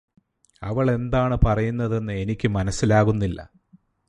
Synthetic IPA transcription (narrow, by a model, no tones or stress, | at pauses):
ɐʋɐɭe̞nd̪aːɳɨpɐrɐjunːɐðe̞nːɨe̞nikʲːɨmɐnɐsːilaːɣunːilːɐ̰